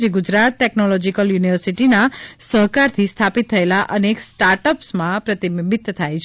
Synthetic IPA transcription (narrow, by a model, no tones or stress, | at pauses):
d͡ʒeɡud͡ʒɾat̪̚ʈɛknɔlɔd͡ʒikəljuniʋəɾsiʈinasəɦkaɾt̪ʰist̪ʰapit̪ʰːəelaʔəneksʈaɾʈəpsmãpɾət̪imbit̪ːt̪ʰajt͡ʃʰe